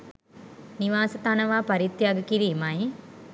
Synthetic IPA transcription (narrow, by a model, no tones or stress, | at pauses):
niʋaːsət̪anəʋaːpaɾit̪ːjaɡəkiɾiːmai